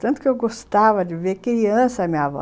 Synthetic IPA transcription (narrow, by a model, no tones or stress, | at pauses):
t̪ɐ̃nt̪ʊ̥kɪewɡost̪avɐd͡ʒɪveɾkɾiɐ̃sɐmĩɲɐvɔ̰